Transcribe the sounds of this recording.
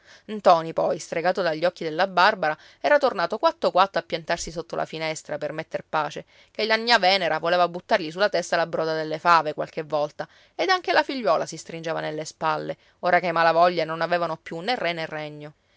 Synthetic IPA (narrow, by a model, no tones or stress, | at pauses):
nt̪ɔːnipɔjst̪ɾeɡaːt̪od̪aʎːɔkːid̪elːabarbaɾa | ɛːɾat̪ornaːt̪okwat̪ːokwat̪ːoapːjant̪arsisot̪ːolʔa̰finɛst̪ɾapermet̪ːerpaːt͡ʃe | kelːaɲːavɛːneɾavoleːvabut̪ːarʎis̬ulːat̪ɛst̪alabɾɔːd̪ad̪elːefaːvekwa̰lkevːɔlt̪a | ed̪aŋk̟elafiʎːwɔːlasist̪ɾind͡ʒeːvanelːespalːe | oːɾakemalavɔʎːanonaveːvanopjunːerːenerːɛɲːo